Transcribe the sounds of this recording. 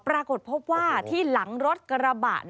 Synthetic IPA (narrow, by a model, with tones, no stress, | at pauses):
pɾaː˧ko˨˩t̪̚pʰo˦˥p̚waː˥˩t̪ʰiː˥˩la˩˦ŋɾo˦˥t̪̚ka˧ɾa˧ba̰ː˨˩ʔn